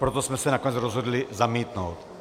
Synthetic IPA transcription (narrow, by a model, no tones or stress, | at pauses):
pɾot̪osmɛsɛnakoɲʲɛt͡sɾozɦod̪lizamiːt̪nowt̪